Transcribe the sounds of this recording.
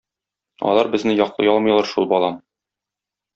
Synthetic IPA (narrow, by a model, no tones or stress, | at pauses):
ɒ̰lˠɑɾbɘ̆znɘjɒqlˠɤ̰jɒlˠmɤjlˠɑɾʃulˠbɒlˠɑm